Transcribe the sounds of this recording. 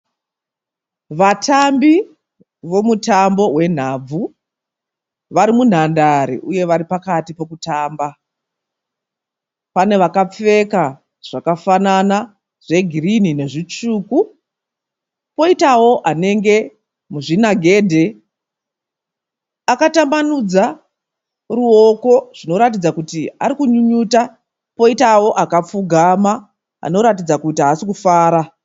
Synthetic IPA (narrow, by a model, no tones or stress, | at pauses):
ʋatʰambi | ʋo̞mutambo̞ɦwe̞n̤ab͡vu | ʋaɾimun̤andaɾḭʔuje̞ʋaɾipakatipo̞kutaːmba | pane̞ʋakap͡fe̞ka | ʐ̥akafanana | ʐ̥e̞ɡʱirinine̞ʐit͡ʂuːku | po̞itawo̞ʔane̞ŋɡe̞ | muʐinaɡʱe̞ːdʱe̞ | akatambanud͡za | ruo̞ko̞ʐ̥ino̞ɾat̬id͡zakutia̰ɾikuɲuɲuːta | po̞itawo̞ʔakap͡fuɡʱama | a̰no̞ɾatid͡zakutiasikufaːɾa